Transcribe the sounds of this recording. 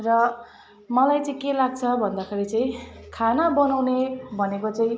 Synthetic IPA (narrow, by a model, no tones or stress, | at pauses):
rʌ | mʌlajt͡sʌĩkelaɡ̚t͡sʰʌbʱʌnd̪akʰeɾit͡saĩkʰanabʌnawnebʱʌnekot͡saĩ